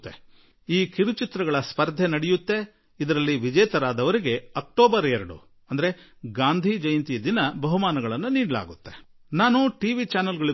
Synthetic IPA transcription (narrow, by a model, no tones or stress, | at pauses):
t̪ːe̞̰ | iːkiɾut͡ʃit̪ɾɐɡɐɭɐspɐɾd̪ʱenɐɽijut̪ːe̞ | id̪ɐɾɐlːiʋid͡ʒɛːt̪ɐɾaːd̪ɐʋɐɾiɡe̞ɐk̚ʈoːbɐɾɛɾɐɽṵ | ɐnd̪ɐɾe̞ | ɡaːnd̪ʱid͡ʒɐjɐnt̪ijɐd̪inɐbɐɦumaːnɐɡɐɭɐnːuniːɖɐla̰ːɡut̪ːe̞ | naːnuʈiːʋit͡ʃaːnɐlɡɐɭi